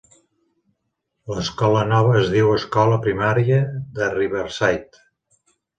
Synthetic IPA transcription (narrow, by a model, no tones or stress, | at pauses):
ləskɔlənɔβəːzðiwəskɔləpɾimaɾiəðəriβəɾsajt̪